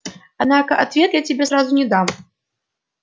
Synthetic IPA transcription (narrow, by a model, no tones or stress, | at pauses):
ad̪nakɐʔat̪vʲɛt̪ʲjat͡sʲɛbʲɛzɾazunʲɛd̪am